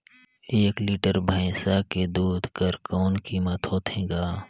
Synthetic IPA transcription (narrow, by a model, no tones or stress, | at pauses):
eːkliːʈəɾbʱaɪsaked̪uːd̪ʱkəɾkɔːnkiːmət̪ɦoːt̪ʰẽːɡaː